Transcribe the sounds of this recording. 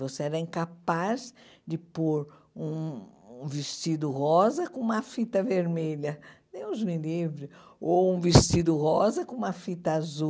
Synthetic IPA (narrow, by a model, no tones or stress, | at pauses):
voseɛɾɐĩŋkapaz | d͡ʒɪpoɾ | ũ | vist͡ʃid̪ʊhɔzɐkõũmɐfit̪ɐveɾmeʎɐnẽj̃ʊzmilivɾɪoũvist͡ʃid̪ʊhɔzɐkõũmɐfit̪ɐazu